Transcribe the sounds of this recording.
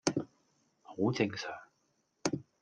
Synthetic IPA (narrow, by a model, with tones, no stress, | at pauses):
ho˨˧˥wt͡sɪ˧ŋsœː˨˩ŋ